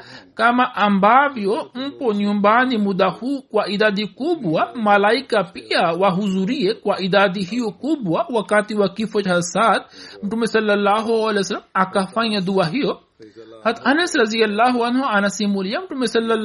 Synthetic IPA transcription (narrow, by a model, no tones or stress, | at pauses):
kamaʔɐmbaːʋijomponjumbaːnimud̪ahukwaʔid̪aːd̪ikubuwamɐlaːikapijawaɦuzuɾijekwaʔid̪aːd̪iɦijokubuwawakat̪iwakifɐt͡ʃɦɐsaːt̪̚mʈumesɐlːɐlːaːɦoɐlesɐlɐmakafãɐd̪uwaɦijo | hɐt̪ʰɐnɐsɾɐzijɐlːaːɦuɐnɦoɐnɐsimuljɐmʈumesɐlːɐ